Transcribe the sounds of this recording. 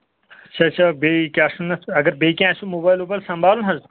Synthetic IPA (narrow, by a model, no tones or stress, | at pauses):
ɐt͡ʃʰat͡ʃʰabekaːsʈunːɐt̪ʰɐɡɐɾbeːkʲãːsumoːbaːjlopɐlsɐmbʱaːlunɦɐz